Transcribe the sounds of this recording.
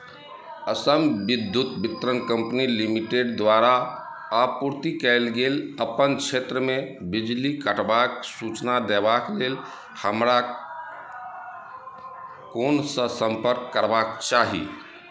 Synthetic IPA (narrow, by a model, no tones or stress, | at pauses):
əsəmbid̪ʱːjut̪bit̪ɾənkə̃mpnilimiʈeɖd̪ʋaɾaː | puɾt̪ikɛɪlɡeləpənt͡ʃʰet̪ɾəmebid͡ʒlikəʈʰbaksut͡ʃnad̪ebaklel | həmɾa | konsə̃səmpəɾkːəɾbakt͡ʃaɦḭ